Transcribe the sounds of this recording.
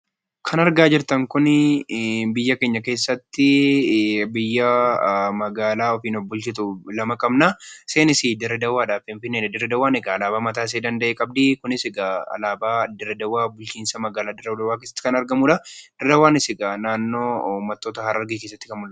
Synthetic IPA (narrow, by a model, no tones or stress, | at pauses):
kʰɐnɐɾɡaːd͡ʒɪɾt̪ɐŋkʊnɪ | bɪjːɐke̞ːɲːɐke̞ːsːɐt̪ːɪ | bɪjːɐmɐɡaːlaːɔfiːnɔfbʊlt͡ʃɪt̪ʊlɐmɐkʼɐbnase̞ːnɪsɪd̪ɪɾɛd̪ɐwːaːᶑaːfɪnfɪnːeːnɛd̪ɛɾːɛd̪ɐwaːnɛɡɐːlaːbaːmɐt̪aːs̬eːd̪ɐnd̪ɐʔeːkʼɐb̚d̪ikʊnɪsɛɡɐɐ̰laːbaːd̪ɛɾɛd̪ɐwaːbʊlt͡ʃiːnsɐmɐɡaːlaːd̪ɪɾːɛwd̪ɐwaːkeːsːɐt̪ːɪ̥kɐnɐɾɡɐmuːᶑɐd̪̥ɪɾd̪ɐwaːnɪsɪɡɐnaːnːo̞ːmːɐt̪ːo̞ːt̪ɐhɐɾɐɾɡike̞ːsːɐt̪ːɪ̥kɐmʊlː